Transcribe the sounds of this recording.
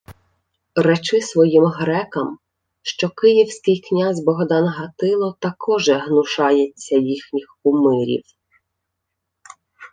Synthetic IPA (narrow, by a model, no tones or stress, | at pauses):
ɾɛt͡ʃɪsʋɔjimɦɾɛkɐm | ʃt͡ʃɔkɪjiwsʲkɪjknʲazʲbɔɦd̪ɑnɦɐt̪ɪlˠɔt̪ɐkɔʒɛɦnʊʃɑjɛt͡sʲːɐjixnʲixʊmɪɾʲḭw